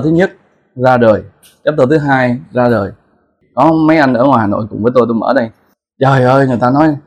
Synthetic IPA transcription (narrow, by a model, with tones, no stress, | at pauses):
t̪ʰɨ˨˦ɲə˦˥t̚ | zaː˧ɗəː˨˩j | t͡ɕɛ˦˥t̪o˧˩t̪ɨ˨˦ɦaː˧jzaː˧ɗəː˨˩j | kɔ˨˦ma˨˦jʔa˧jŋʔəː˧˩ŋwa˨˩jhaː˨˩no̰˧˨jkʊ̰˧˥ŋ͡mvəː˨˦jt̪o˧jt̪o˧jmə̰ː˧˩ɗə˧j | t͡ɕəː˨˩jʔəː˧jŋɨ˨˩əjt̪aː˧nɔ˨˦j